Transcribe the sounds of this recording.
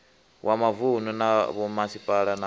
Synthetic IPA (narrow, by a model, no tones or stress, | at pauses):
wʔamavununaβɔmasipʼaɺana